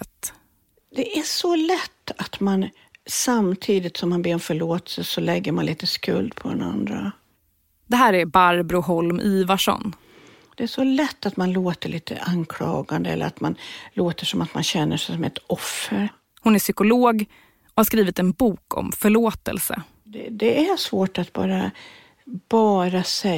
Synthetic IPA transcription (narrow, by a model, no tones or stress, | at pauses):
t̪ | d̪̥ɛʔæʂɔlɛt̪ːat̪man | samt̪ʰiːd̪ɪt̪sɔmhanbeːɾɔnfœɭoːt̪ɛ̥səsɔlɛɡːəɾmanliːt̪əskɵ̰ld̪pʰɔd̪ɛ̰na̰nd̪ɾa̰ | d̪̥ɛɦæːɾæɾbaɾbɾʊɦɔlmʔiːvaʂɔ̰n | d̪̥ɛæʂɔlɛt̪ːat̪manloːt̪əɭiːt̪ʰə̰ʔankʰlɑːɡand̪əɛlːə̰ɾat̪manloːt̪əʂɔmat̪manɕɛnːəʂɛjsɔmɛt̪ɔfːəɾ | hʊnæʂʏkʊloːɡ | ɔhaʂkɾiːvɪt̪ɛnbuːkʰɔ̰mfœɭoːt̪ɛ̰lsə̰ | d̪ɛd̪ɛæsvoːʈat̪̚bɑ̰ːɾa | b̥ɑːɾasɛ